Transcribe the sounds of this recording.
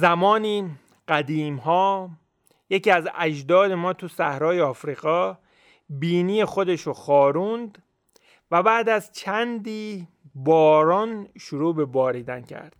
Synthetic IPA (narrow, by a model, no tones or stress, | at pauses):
zæmɒːniː | ɢ̥æd̪iːmɦɒː | je̞ciːæzæ̰d͡ʒd̪ɒːd̪e̞mɒːt̪ʰusæhɾɒːjeɒːfɾiːɣɒː | biːniːjexo̞d̪e̞ʃoxɒːɾund̪ | væbæːd̪æzt͡ʃʰænd̪iː | bɒːɾɒːnʃuɾuːbe̞bɒːɾiːd̪æncʰæ̰ɾd̪̥